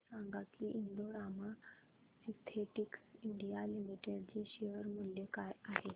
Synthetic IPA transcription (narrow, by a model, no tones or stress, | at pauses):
saŋɡat̪liʔind̪oɾama | sit̪ʰeʈikiɳɖijalimiʈeɽd͡ʑeɕeʋəɾmuljəkajaɦe